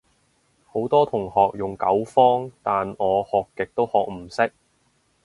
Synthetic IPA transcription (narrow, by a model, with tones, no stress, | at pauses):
ho˨˥wt̪ɔː˥t̪ʰʊ˨˩ŋhɔː˨k̚jʊ˨˩ŋkɐ˨˥wfɔː˥ŋt̪aː˨nɔː˨˧hɔː˨kːɪ˨k̚t̪o˥whɔː˨k̚m̩˨˩sɪ˥k̚